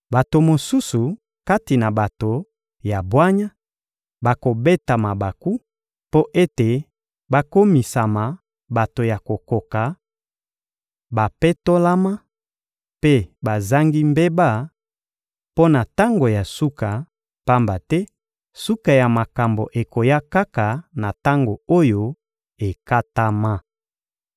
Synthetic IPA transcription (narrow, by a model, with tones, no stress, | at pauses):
ba˨to˨mo˨su˦su˨ | ka˦ti˨na˨ba˨to˨ | ja˨bwa˦ɲa˦ | ba˨ko˨be˦ta˨ma˨ba˨ku˦ | po˦ʔe˦te˨ | ba˦ko˦mi˨sa˨ma˨ | ba˨to˨ja˨ko˨ko˨ka˨ | ba˨pe˦to˦la˦ma˦ | pe˦ba˨za˦ŋɡi˦mbe˦ba˦˨ | po˦na˨ta˦ŋɡo˨ja˨su˦ka˨ | pa˦mba˨tɛ˦ | su˦ka˨ja˨ma˨ka˨mbo˨ʔe˨ko˨ja˦ka˦ka˨na˨ta˦ŋɡo˨o˦jo˦ | e˨ka˦ta˦ma˦